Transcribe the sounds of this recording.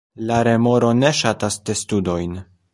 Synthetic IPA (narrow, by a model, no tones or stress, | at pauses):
laɾe̞mo̞ɾo̞ne̞ʃatasde̞studo̞jn